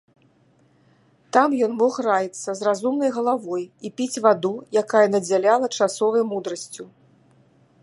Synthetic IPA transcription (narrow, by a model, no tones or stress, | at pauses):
t̪amjɔnmɔxrajit̪sːɐzrazumnɐjɣɐlˠavɔjipʲit͡sʲvad̪ujakajɐnɐd͡zʲalʲalˠɐt͡ʂasɔvɐjmud̪ɾɐsʲt͡sʲu